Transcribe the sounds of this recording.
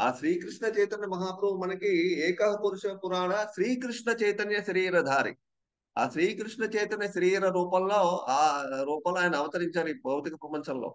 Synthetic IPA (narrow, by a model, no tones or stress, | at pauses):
aːʃɾiːkɾiʂɳɐt͡ʃɛjt̪ɐnjɐmɐɦaːpɾuɦumɐnɐkiɛːkɐɦɐpuɾuʃɐɐpuɾaːɳɐʃɾiːkɾiʂɳɐt͡ʃɐjt̪ɐnjɐʃɐɾiːɾɐd̪ʱaːɾḭ | a̰ːʃɾiːkɾiʂɳɐt͡ʃɛjt̪ɐnjɐʃɐɾiːɾɐɾuːpɐlːoːaːɾuːpɐlaːjnɐɐʋɐt̪ɐɾiɲt͡ʃaːɾibʱɐwt̪ikɐpɾɐpɐɲt͡ʃʰɐnlo̰ː